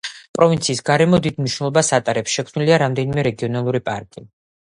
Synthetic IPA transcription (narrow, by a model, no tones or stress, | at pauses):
pʼɾɔvint̪sʰiːsɡaɾɛmɔd̪id̪̚mniʃnɛlˠɔbasat̪ʼaɾɛpsʃɛkʰvmniliaɾamd̪ɛnimɛɾɛɡiɔnalˠuɾipʼa̰ɾkʼi